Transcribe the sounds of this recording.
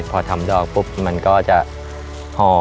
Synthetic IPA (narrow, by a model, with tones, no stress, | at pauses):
pʰɔː˧t̪ʰa˧mdɔː˧˩k̚pu˦˥p̚ma˧nkɔː˥˩t͡ɕa˨˩ʔ | hɔː˧˩